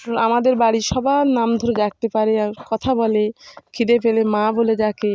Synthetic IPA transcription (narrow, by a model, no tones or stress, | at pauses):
amad̪eɾbaɽiʃɔbanamd̪ʱoɾedak̚t̪epaɾeaɾkɔt̪ʰabɔlekʰid̪epelemaboled͡ʑake